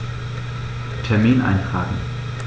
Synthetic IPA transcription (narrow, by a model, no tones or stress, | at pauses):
tʰɛɐmiːnʔa̰ɪnfʁ̥aːɡŋ̩